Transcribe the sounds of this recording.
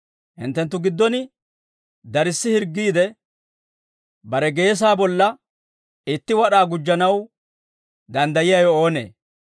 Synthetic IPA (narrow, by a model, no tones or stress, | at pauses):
hɪ̰nt̪ːɛnt̪ːʊɡɪd̪ːɔnɪ | d̪ɐɾɪsːɪhɪɾɡːiːd̪ɛ | bɐɾɛɡe̞ːs̬aːbɔlːɐ | ɪt̪ːɪwɐɗaːɡʊd͡ʒːɐnɐw | d̪ɐnd̪ɐjɪjajɔoːnḛː